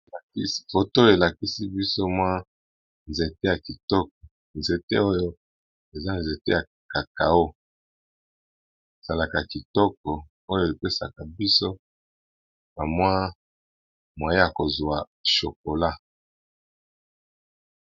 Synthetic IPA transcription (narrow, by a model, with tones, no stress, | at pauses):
la˨ki˦si̥˦fo˨to˦jo˦e˨la˨ki˦si˦bi˦so˦mwa˦ | nze˨te˦ja˨ki˨tɔ˦k̚ɔ˨ | nze˨te˦o˦jo˦ | e˨za˦nze˨tḛ˦ja˨ | ka˨ka˨o˦ | e˨z̥a˨la˨ka˨ki˨tɔ˦k̚ɔ˨ | o˦jo˦˨e˨pe˦sa˨ka˨bi˦so˦ | na˨mwa˦ | mwa˨je˦ja˨ko˨zwa˨ | ʃo˨k̚o˨la˦